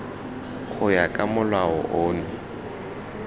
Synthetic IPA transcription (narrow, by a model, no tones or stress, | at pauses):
ɣʰʊjakʼamʊlwaɔ̰ʔoːnʊ